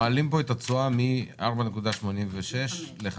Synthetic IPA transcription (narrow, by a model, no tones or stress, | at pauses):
aalimpo̞et̪at͡suamiaʁbane̞kud̪aʃmo̞nimveʃe̞ʃleχ